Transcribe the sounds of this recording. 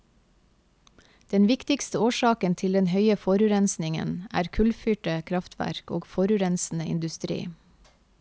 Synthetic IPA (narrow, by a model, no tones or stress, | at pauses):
d̪̥ɛnʋɪkt̪ɪkst̪əoːʃɑːkənt̪ʰɪld̪ɛnhœʏəfɔɾʉɾɛnsnɪŋə̰næ̰ːɾkʰʉlfyːʈəkʰɾɑft̪ʰʋæ̰ɾkoːɡfɔɾʉɾɛnsn̩əʔɪ̰nd̪ʉst̪ɾḭː